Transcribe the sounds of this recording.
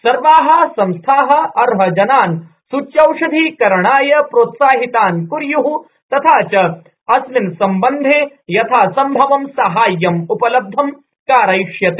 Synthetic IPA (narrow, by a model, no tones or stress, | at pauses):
sɐɾʋaːɦɐsɐ̃mst̪ʰaːɦɐ̆ɐɾɦɐd͡ʒɐnaːn | sut͡ʃjɐwʂɐd̪ʱiːkɐɾɳaːjɐpɾoːt̪saːɦit̪aːnkuɾjuɦu | t̪ɐt̪ʰaːt͡ʃɐ | ɐslinsɐmbɐnd̪ʱeː | jɐt̪ʰaːsɐmbʱɐʋɐmsɐɦaːjːɐmupɐlɐb̚d̪ʱɐm | kaːɾɐjʂjɐt̪eː